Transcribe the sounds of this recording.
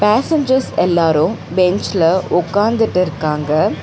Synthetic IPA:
paːsɛɲd͡ʒɐɾsɛlːaːɾʊ̃bɛɲt͡ʃlɐʔʊkːaːnd̪ɯʈːɪɾɯkːaːŋɡɐ

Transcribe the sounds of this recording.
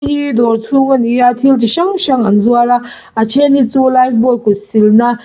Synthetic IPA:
hid̪oɾt͡sʰuɡɐnijat̪ʰilt̪iʃaŋʃaŋanzuala | at͡ʃʰenit͡sulajfbokːusilna

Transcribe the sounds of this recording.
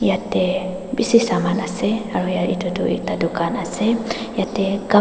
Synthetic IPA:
jatɛ | bisisamanasɛaɾujaʔidoduʔḭk̚t̪adukanasɛjat̪ɛɡa

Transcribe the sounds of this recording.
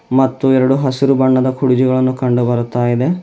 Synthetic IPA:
mɐt̪ːuɛɾɐɽuɦɐsiɾubɐɳːɐd̪ɐkʰuɽid͡ʒiɡɐɭɐnːukɐɳɖubɐɾut̪aːjid̪e̞

